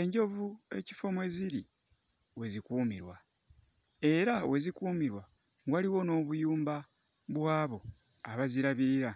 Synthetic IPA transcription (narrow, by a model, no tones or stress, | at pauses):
e̞ɲɟo̞vue̞̰cifo̞mwe̞ziɾi | we̞zikuːmiɾwa | e̞ɾawe̞zikuːmiɾwa | ŋwaliwo̞no̞ːβujuːmba | βwaːβo̞ | aβaziɾaβiːɾa